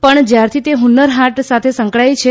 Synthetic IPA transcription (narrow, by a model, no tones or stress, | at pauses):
pəɳd͡ʒjaɾt̪ʰit̪eɦunəɾɦaʈsat̪ʰesəŋkɭajt͡ʃʰe